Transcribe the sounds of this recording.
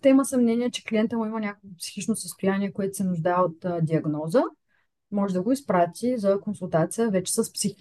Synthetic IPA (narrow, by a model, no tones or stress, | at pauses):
t̪ɛiməsɐmnɛniɛt͡ʃɛ̥kliɛnt̪əmuimənʲakəkvʊpsi̥xit͡ʃnosəst̪ʊjanʲiɛkoɛt̪ʊ̥sɛnʊʒd̪aɛot̪d̪ʲiɐɡnɔzə | mɔʒɛd̪ɐɡoispɾat̪ʲizɐkonsulˠt̪at̪sijəvɛt͡ʃɛ̥sɐspsi